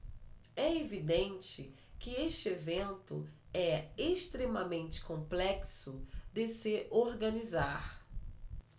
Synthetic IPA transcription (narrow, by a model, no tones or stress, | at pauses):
ɛevid̪ẽnt͡ʃɪ | kɪeʃt͡ʃɪevẽnt̪ʊ̰ | ɛeʃt̪ɾemɐmẽnt͡ʃɪ̥kõmplɛksʊd̪ɪsɪoɾɡɐ̃nizaɾ